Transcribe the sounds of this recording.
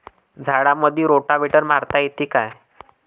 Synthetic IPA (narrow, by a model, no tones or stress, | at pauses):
d͡zʱaɽaməd̪ʱːiːɾoʈabʱeʈəɾmaɾt̪aet̪iːkaj